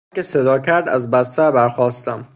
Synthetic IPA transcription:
kesed̪ɒːcʰæɾd̪æ̰zbæst̪æɾbæɾxɒːst̪æm

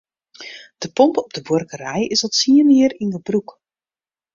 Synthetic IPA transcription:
d̥əpɔmpɔb̚dəborkərɛjɪsɔtsiənɪərinɡəbruk

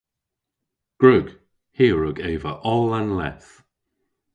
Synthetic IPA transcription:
ɡ̥ɹʊɡ̥ | hiːɹʊɡeːvəʔɔlanlɛ̰θ

